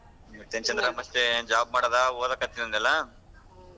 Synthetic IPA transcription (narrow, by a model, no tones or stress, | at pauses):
t̪ent͡ʃɐnd̪ɾɐmɐst̪ed͡ʒaːb̚maːɽoːd̪aoːd̪ɐkɐt̪ːinɐnd̪ɛlːɐ